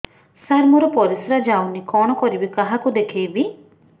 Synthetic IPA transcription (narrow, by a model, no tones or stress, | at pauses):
saɾmɔɾɔpɔɾisɾad͡ʒawnikɔɽ̃ɔkɔɾibikaɦakud̪ekʰejbi